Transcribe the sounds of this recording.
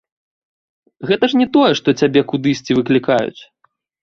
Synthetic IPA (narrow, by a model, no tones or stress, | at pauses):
ɣɛt̪ɐʂnʲɛt̪ɔjɛʂt̪ɔt͡sʲabʲɛkud̪ɨsʲt͡sʲivɨklʲikajṵt͡sʲ